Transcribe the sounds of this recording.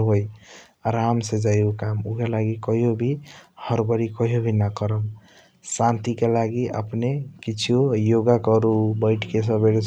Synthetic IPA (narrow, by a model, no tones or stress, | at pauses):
ɦoj | ɾamsed͡ʒajukamukelaɡikʌɦjobʱihʌɾbʌɾikɔɦjobʱinakəɾəm | sant̪ikelaɡiʔə̰pnekit͡ʃʰiojoɡakɔɾubəɪʈʰkes̬ʌ̃beɽs